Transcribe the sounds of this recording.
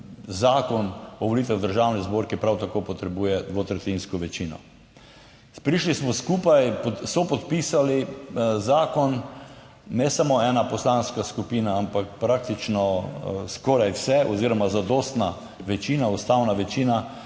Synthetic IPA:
zaːkɔnɔʋolit̪ʋɛwd̪əɾʒawnizboːɾkipɾawt̪akopɔt̪ɾɛbuːjɛd̪ʋot̪ɾɛt̪inskɔʋɛt͡ʃiːnɔ̰ | pɾiʃlismɔskuːpajpɔsɔpɔt̪pisalizaːkɔnː | ɛsamoɛnapɔslanskaskupiːnaampakpɾak̚t̪it͡ʃnɔskɔɾajwsɛʔɔziːɾɔmazad̪oːst̪na | ʋɛt͡ʃiːnaust̪awnaʋɛt͡ʃiːna

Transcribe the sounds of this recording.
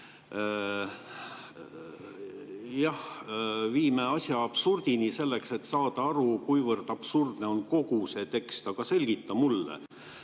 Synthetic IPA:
jɑhviːme̞ɑsʲjɑːb̥surd̪̥inise̞lːe̞kse̞t̪ːsɑːd̪̥ɑɑɾukujvɤrd̪̥ɑb̥surd̪̥ne̞o̞nko̞ɡ̥use̞t̪e̞kst̪ɑɡ̥ɑse̞lʲɡ̥it̪ːˑɑmulːḛ

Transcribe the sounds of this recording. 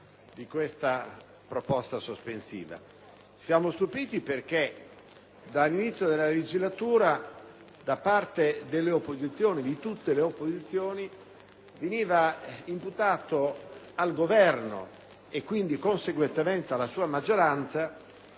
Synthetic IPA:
d̪ikwest̪a | pɾopɔst̪asospensḭːva̰ | sjaːmost̪upiːt̪iperk̟e | d̪alːinit̪sːjod̪elaled͡ʒizlat̪uːɾa | d̪apart̪ed̪elːeopːozit̪sːjoːnid̪it̪ut̪ːeleopːozit̪sːjoːni | veniːvaimput̪aːt̪o | alɡovɛrno̰ | ekːwind̪ikonseɡwent̪ement̪ealːasuːamad͡ʒːoɾant̪sa

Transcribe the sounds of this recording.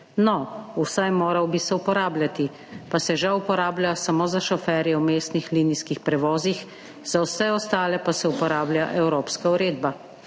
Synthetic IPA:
nɔusajmoːɾawbisɛupɔɾaːblʲjat̪i | pasɛʒawupɔɾaːblʲjasamoːzaʃɔfɛːɾjɛwmeːst̪nixliːniskixpɾɛʋɔːzix | z̥awsɛɔst̪aːlɛpasɛupɔɾaːbljaʔɛwɾoːpskauɾeːd̪ba

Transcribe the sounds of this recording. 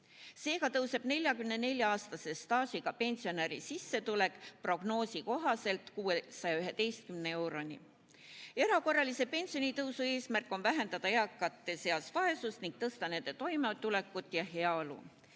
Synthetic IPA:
se̞ːkɑt̪ɤwse̞b̥ne̞lʲjɑkymne̞ne̞lʲjɑɑːst̪ɑse̞st̪ɑːsʲiɡ̥ɑpe̞nʲsio̞neɾḭsisːe̞t̪ule̞kːˑpro̞ɡ̥no̞ːsiko̞ɦɑse̞lt̪kuːesɑjɑyɦe̞d̪e̞jst̪̚kymnee̞wɾo̞nʲi | e̞ɾɑko̞rːɑlise̞pe̞nsio̞nʲit̪ɤwsue̞ːsmærkːˑo̞nvæɦe̞nd̪ɑd̪̥ɑeɑkːˑɑt̪ːˑe̞se̞ɑsvɑe̞susniŋk̚t̪ɤst̪ɑne̞nd̪e̞t̪o̞jmet̪ule̞kːˑut̪ːˑjɑɦe̞ɑolṵ

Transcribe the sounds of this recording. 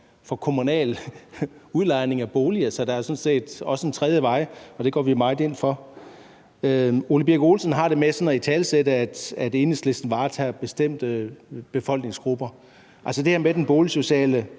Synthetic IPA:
fɒ̽kʰo̝munɛ̰ːl | uðˠlɑ̈ɪ̰ne̝ŋæb̥o̝ːliəsɒ̽d̥ææɐsɔ̽nse̝̰ːd̥ɒ̽səent͡sʰʁɛð̞ˠjəʋɑ̈ɪ̰ɒ̽d̥e̝ɡ̥ɒ̰ːʋimɑ̈ɪdˠe̝n̰fɒ̽ | øo̝ləb̥iɐɡ̥o̝ːlsən̩ɦɑ̈ɾ̥e̝mesɒ̽nɒit͡sʰɛːlseɾəæd̥æd̥e̝ːnəsle̝sd̥n̩ʋɑ̈ːt͡sʰæːb̥e̝sd̥em̰d̥əb̥e̝fɒ̽l̰ɡ̥ne̝ŋsɡ̥ʁub̥ɐ | ʔælsəd̥e̝hæɐmed̥enb̥o̝ːliso̝ɕɛ̰ːlə

